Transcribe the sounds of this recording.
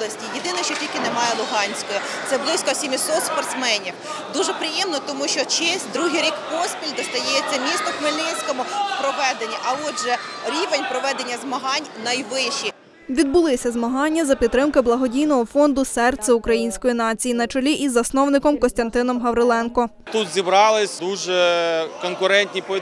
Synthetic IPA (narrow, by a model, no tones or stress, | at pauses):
lˠɐsʲtʲijed̪ɪnɛʃt͡ʃɔtʲilʲkɪnemɑjɛlˠʊɦɑnʲsʲkɔjɔ | t̪sɛblˠɪsʲkɔsʲemʲisɔt̪spɐrt̪smɛnʲiw | d̪uʒɛpɾɪjɛmnɔt̪ɔmuʃt͡ʃɔt͡ʃɛsʲd̪ɾuɦɪjɾʲikpɔspʲilʲd̪ɔst̪ɐjɛt͡sʲːɐmʲist̪ɔxmɪlʲnɪnʲsʲkɔmʊpɾɔʋɛd̪enʲːiʔɐɔʒɛ | ɾʲiʋenʲpɾɔʋɛd̪enʲːɐzmɐɦɑnʲnɐjʋɪʃi | ʋʲid̪̚bʊlˠɪsʲɐzmɐɦɑnʲːɐzɐpʲid̪t̪ːɾɪmkɪblˠɐɦɔdʲijnɔɦɔfɔnd̪ʊsɛrt̪sʲɛʊkɾɐjinʲsʲkɔjinɑt͡sʲijinɐt͡ʃɔlʲiʔizɐsnɔwnɪkɔmkɔsʲt̪ɐnt̪ɪnɔmɦɐwɾɪlˠɛnkɔ | t̪ut̪zʲibɾɑlˠɪsʲd̪uʒɛkɔnkʊɾɛnʲt̪ʲnʲipɔ